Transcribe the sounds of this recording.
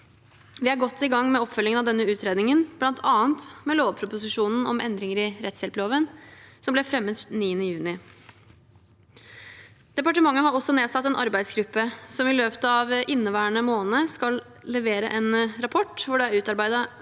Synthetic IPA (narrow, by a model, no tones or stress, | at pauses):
ʋɪæɾɡɔt̪ʰːɪɡɑŋːmɛɔpːfœlːɪŋənɑʋd̪ɛnːəʉːt̪ʰɾeːd̪nɪŋənb̥lɑnt̪ʰɑːnt̪mɛloːʋpʰɾʊpʊsɪʂuːnn̩ʔɔ̰mʔɛ̰nd̪ɾɪŋəɾɪɾɛt̪sjɛlploːʋənsɔmblɛfɾɛmːət̪niːənəjʉːnɪ | d̪̥ɛpɑʈəmɑŋːəɦɑɾɔsːɔneːsɑt̪ːɛnʔɑɾbæɪd̪sɡɾʉpːəsɔmɪløːpət̪ɑʋʔɪnːəʋæːəɳəmoːnəskɑl | lɛʋeːɾə̰ʔɛnɾɑpʰɔʈːʋʊɖɛæɾʉːt̪ɑɾbæɪd̪ɑ